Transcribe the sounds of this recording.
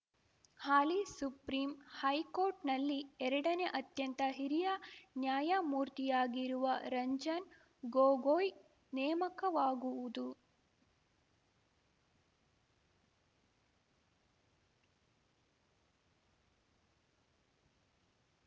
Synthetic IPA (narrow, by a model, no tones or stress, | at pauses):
haːlisupɾiːmhɐjkoːɾʈnɐlːiɛɾɐɽɐne̞ʔɐt̪jɐnt̪ɐɦiɾijɐnjaːjɐmuːɾt̪ijaːɡiɾuʋɐɾɐɲd͡ʒɐn | ɡoːɡoːj | nɛːmɐkɐʋaːɡuʋud̪u